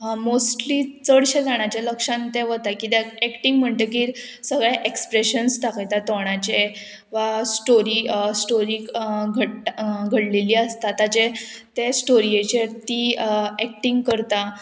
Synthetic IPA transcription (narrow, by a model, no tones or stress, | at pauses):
mosʈliːt͡səɽɕed͡zaɽ̃at͡ɕaləkʂãnt̪eʋət̪akit̪eɛkʈiŋɡm̤əɳt̪ek̬iɾ | səɡɭaʔekspɾeɕənst̪akajt̪at̪oɳ̃at͡ɕe | ʋasʈoɾiːsʈoɾiɡʱəɡʱəɽleliːəst̪at̪at͡ɕet̪esʈoɾiet͡ɕet̪iɛk̚ʈiŋɡkəɾt̪a